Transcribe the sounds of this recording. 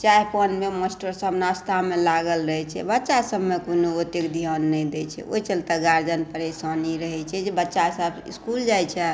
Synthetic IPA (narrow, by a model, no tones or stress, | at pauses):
t͡ʃaɦpənmeməsʈəɾsəbnast̪ʰamelaɡəlɾəɦɛt͡ʃʰɛ̰bətːʃasəbmekonoot̪ekd̪ʱijanːɛid̪ɛt͡ʃʰɛ̰ʔoit͡ʃəlt̪aɡaɾd͡ʒənpəɾesaniɾəɦɛt͡ʃʰɛd͡ʒebətːʃasəbḭskuld͡ʒajt͡ʃʰɛ